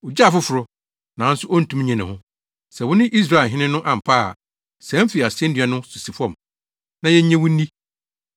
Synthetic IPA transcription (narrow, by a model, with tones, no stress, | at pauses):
wʊ˨d͡ʑa˦˨fʊ˦fʊ˨ɾʊ˦ | nã˨˦n̩˦sʊ˦ɔ˦n̩˨tʰũ˦m˦ɲã˨nɪ̃˨hʊ̃˦ | sɛ˨wʊ̃˦nɪ̃˦ʔi˦s̬ɾa˦˨ɦɪ̃˦nɪ̃˦nʊ̃˦ʔã˨m̩˨pʰa̰˦˨ | sɛ̃˨˦m˦fi˨a˨sɛ̃˦n˦dɪ˨ɛ˦nʊ̃˦su˨si˨fɔ̃˦m | nã˨jɛ˦ɲ˦ɲɛ̃˦wʊ̃˦n̩ː˦ĩ˦